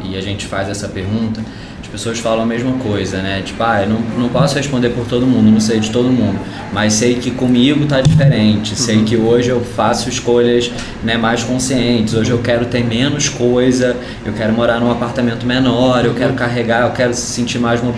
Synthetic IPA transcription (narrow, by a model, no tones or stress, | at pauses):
ɪaʒẽnt͡ʃɪ̥fajzɛsɐpeɾɡũnt̪ɐ̥ | ɪpesoɐsfalɐ̃w̃ɐmeʒmɐkojzɐnɛt͡ʃi̥pʊaewnɐ̃w̃nɐ̃w̃pɔsʊheʃpõnd̪eɾpoɾt̪od̪ʊmũd̪ʊnɐ̃w̃sejd͡ʒɪt̪od̪ʊmũnd̪ʊ | mɐjssejkɪkõmiɡʊt̪ad͡ʒifeɾẽnt͡ʃɪsejkɪoʒɪewfasʊɪʃkoʎɐz | nɛmajʃkõsiẽnt͡ʃɪzoʒɪewkɛɾʊt̪eɾmẽnʊskojzɐ | ewkɛɾʊmoɾaɾnũapaɾt̪amẽnt̪ʊmenɔɾewkɛɾʊkaɦeɡaewkɛɾʊsɪ̥sĩnt͡ʃiɾmajzmob